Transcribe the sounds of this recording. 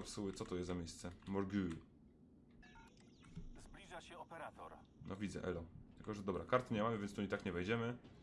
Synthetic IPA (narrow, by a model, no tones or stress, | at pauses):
apsuwɘt̪sɔt̪ɔjɛzt̪ːamʲejst̪sɛmɔɾɡʲui | zblʲiʐaɕɛɔpɛɾat̪ɔɾ | nɔvʲid̪zɛ̰ʔɛ̰lɔt̪ɘkɔʐɛd̪ɔbɾakaɾt̪ɘɲɛmamɘvʲɛntst̪uɲit̪akɲɛvɛjd͡ʑɛmɘ